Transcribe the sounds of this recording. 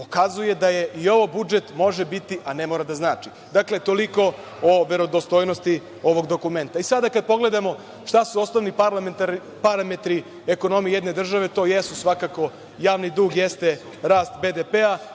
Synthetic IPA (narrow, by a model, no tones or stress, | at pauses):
pokazuje̞d̪aje̞ʔio̞ʋobud͡ʒe̞t̪mo̞ʒe̞bit̪iʔane̞mo̞ːɾad̪aznaːt͡ʃi | d̪akle̞t̪o̞liko̞ | oʋe̞ɾo̞d̪ost̪ojnost̪i | o̞ʋo̞ɡd̪okume̞nt̪aisad̪akad̪̚po̞ɡle̞d̪amo̞ | ʃt̪asuo̞sno̞ʋnipaɾlamt̪a | paɾame̞t̪ɾi | eko̞no̞mijijed̪ne̞d̪r̩ʒaʋe̞t̪o̞ːjesusʋakako̞ | jaːʋnid̪uːɡjest̪e̞ | ɾaːst̪be̞d̪epea